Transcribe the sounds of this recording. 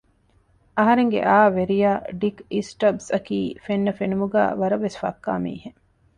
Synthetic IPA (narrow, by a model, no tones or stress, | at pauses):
ɐɦɐɾeŋɡḛʔaːʋeɾijaːɖikisʈɐbsɐkiːfenːɐfenumuɡæ̰ːʋɐɾɐʋːesfɐ̰kːa̰ːmḭːhe